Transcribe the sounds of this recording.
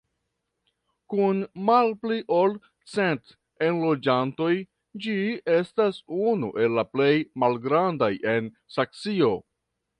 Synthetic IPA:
kunmalpliʔol | t͡se̞nt | enlo̞d͡ʒanto̞j | d͡ʒie̞stasunuʔe̞lːaple̞jmalɡɾandajʔe̞n | sakt͡sio̞

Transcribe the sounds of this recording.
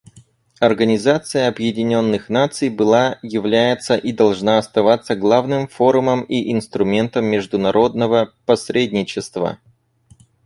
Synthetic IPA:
ɐrɡənʲɪzat̪sɨjəɐbjɪdʲɪnʲo̞nːɨxnat̪sɨjbɨlˠajɪvlʲæjɪt̪səʔid̪ɐlˠʐnaɐst̪ɐvat̪sːəɡlˠavnɨmfo̞ɾʊməmiʔɪnst̪ɾʊmʲe̞nt̪əmːʲɪʐd̪ʊnɐɾʔo̞d̪̚nəvəpɐsɾʲedʲnʲɪt͡ɕɪst̪və̰

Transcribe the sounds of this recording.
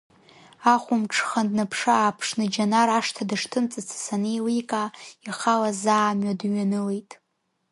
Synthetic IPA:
aχʷʊmʈ͡ʂʰχandnɨpʰʂɨapʰʂnɨd͡ʒanaɾaʂtʰadɨʂtʰɨnt͡sʼɨt͡sʰḁsanɨjlikʼaiχalazaːmɥadɥanɨlejtʼ

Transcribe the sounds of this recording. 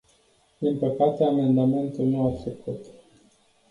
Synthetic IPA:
d̪̥inpəkat̪e̞ame̞nd̪ame̞nt̪ulnuat͡ʃ̪ekut̪

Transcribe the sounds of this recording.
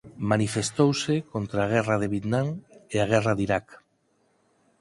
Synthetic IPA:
manifest̪owsekont̪ɾaːɣ̞ɛraðeβjet̪nãŋeaɣ̞ɛraðiɾak

